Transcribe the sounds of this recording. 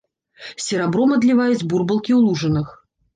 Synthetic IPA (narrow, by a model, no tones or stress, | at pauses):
sʲɪɾabɾɔmɐd̪lʲivajut͡sʲburbɐlˠkʲiulˠuʐɨnɨx